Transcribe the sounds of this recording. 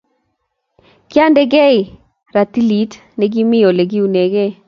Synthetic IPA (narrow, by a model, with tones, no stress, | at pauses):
kɪ˦a˦ndɛ˦ɡɛ˦ɪ˨ | ɾa˨t̪i˦li˨˦t | nɛ˨ɡi˦mɪ˦jo˨le˨ɡi˦u˨ne˨ɡe˦